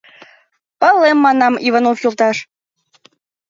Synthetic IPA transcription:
pɑlˠːemːɑnɑmivɑnofjolˠt̪ɑʃ

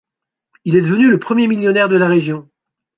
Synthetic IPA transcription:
ilɛd̪əvənyləpχəmjemiljɔnɛʁd̪əlaʁeʒjɔ̃

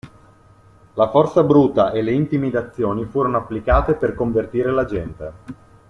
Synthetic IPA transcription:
lafɔrt̪sabɾut̪ːaʔeleint̪imid̪at̪sːjoːnifuːɾonoapːlikaːt̪eperkoɱvert̪iːɾelad͡ʒɛnt̪e

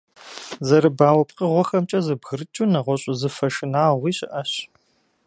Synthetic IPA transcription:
zɐɾɨbaːwɐp̚ʼqəʁʷɔxɐmt͡ʃʼɐzɨbɣɨɾɨt͡ʃʼunɐʁʷɔɕʼʊzɨfɐʃɨnaːʁʷiːɕʼɪʔɐɕ

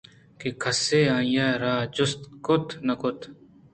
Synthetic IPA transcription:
kekʰɐseːãːjaːɾaːd͡ʒʊst̪kʊt̪nɐkʊt̪ʰ

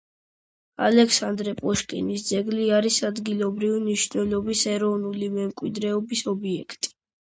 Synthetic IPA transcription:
a̰lɛkʰsand̪ɾɛpʼɔʃkʼḭnisd̪zɛɡliaɾisad̪ɡilˠɔbɾivimniʃnɛlˠɔbisɛɾɔvnulimɛmkʼwid̪ɾɛɔbisɔbiɛkʰt̪ʼi̥

